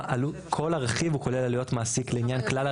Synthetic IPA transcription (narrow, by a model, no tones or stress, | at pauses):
ʔalukʰo̞laʁeχivuko̞le̞lalijo̞t̪maːsikleinjanklala